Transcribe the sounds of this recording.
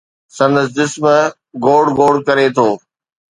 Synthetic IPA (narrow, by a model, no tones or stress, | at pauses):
sɐ̃nd̪əs̬d͡ʑɪsm | ɡoːɖɡoːɽkɐɾet̪ʰoː